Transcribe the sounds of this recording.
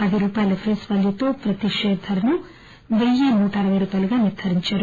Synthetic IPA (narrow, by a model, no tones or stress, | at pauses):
pɐd̪iɾuːpaːjlɐpʰɾesʋɐljɐt̪o̞ːpɾɐt̪iʂɛːd̪ʱɐlɐnu | ʋejːenuːʈɐɐɾɐʋɐjɾupɐluɡaːniɾt̪ʰɐɾiɲt͡ʃaːɾu